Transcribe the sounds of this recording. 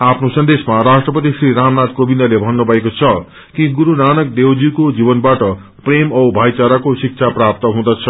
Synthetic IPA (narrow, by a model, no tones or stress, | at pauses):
apʰnosʌnd̪esmaɾasʈrʌpʌt̪̬isriɾamnat̪kobind̪ʌlebʱʌnːubʱʌekot͡sʰʌ | kĩɡuɾunanʌk̚d̪ewd͡zikod͡zibʌnbaʈʌ | premʌwbʱajt͡saɾakosik̚t͡sʰaprap̚t̪ʌɦũd̪at͡sʰʌ